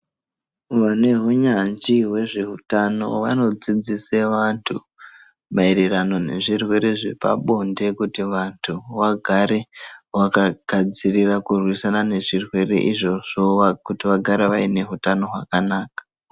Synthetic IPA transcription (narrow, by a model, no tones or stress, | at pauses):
ʋane̞ɦuɲand͡ʒiwe̞ʐeɦutano̞̰ʋano̞d͡zid͡ziseʋantʰu | maiɾirano̞ne̞̰ʐirwe̞ɾe̞ʐepa̰ɓo̞nde̞kutiʋantʰuʋaɡʱaɾe̞ʋakaɡ̥ʱad͡zirirakurwisanane̞ʐirwe̞re̞̰ʔiʐo̞ʐ̥oʋakutiʋaɡʱaɾeʋaine̞ɦutano̞ɦwakanaːkḁ